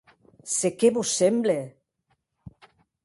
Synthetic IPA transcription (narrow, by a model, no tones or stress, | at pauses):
sekeβosemble